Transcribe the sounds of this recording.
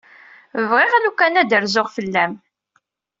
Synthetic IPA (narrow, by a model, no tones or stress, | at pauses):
vʁɪʁlukːænæd̪əɾzʊʁfəlːæm